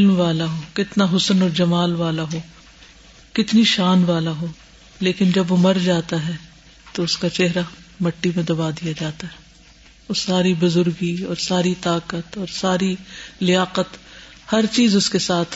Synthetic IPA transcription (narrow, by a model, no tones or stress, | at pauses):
ɪlmʋaːlaɦoːkɪt̪naɦʊsənɔːɾd͡ʒɐmaːlʋaːlaɦoː | kɪt̪niʃaːnʋaːlaɦoː | leːkɪnd͡ʒɐbʋomɐɾd͡ʒaːt̪aɦɛ | t̪oʊskat͡ʃɛɦɾamɐʈːimẽd̪ɐbaːd̪ijad͡ʒaːt̪aɦɛː | ʊsaːɾibʊzʊɾɡiɔːɾsaːɾit̪aːkət̪ɔːɾsaːɾilɪjaːqət̪ | hɐɾt͡ʃiːzʊskesaːt̪ʰ